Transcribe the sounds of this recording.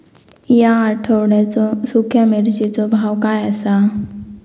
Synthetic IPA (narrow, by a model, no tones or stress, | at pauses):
jãːʈʰoɽɛt͡sosukʰjameɾd͡ʒit͡sɔbʱawkaɛsa